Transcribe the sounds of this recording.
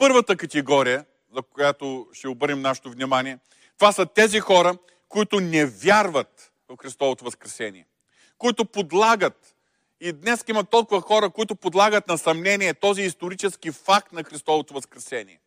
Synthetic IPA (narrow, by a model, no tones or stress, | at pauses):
pɤɾvət̪əkɐt̪ɛɡɔɾijə | zɐkʊjat̪oʃt̪ɛobɤɾnɛmnaʃɛ̥t̪ovnʲimaniɛ | t̪ovasɐt̪ɛzixɔɾə | koʊit̪ʊnɛvʲjaɾvət̪ | vɐfxɾist̪ɔvot̪ovɐskɾɛsɛnḭɛ | kʊit̪ʊpod̪lˠaɡət̪ | id̪nɛskimɐt̪ːɔlˠkʊvɐxɔɾəkʊit̪ʊpod̪lˠaɡət̪nɐsɐmnɛniɛt̪ɔziːst̪oɾit͡ʃɛsk̟ifak̚t̪nɐxɾist̪ɔvot̪ovɐskɾɛsɛnḭɛ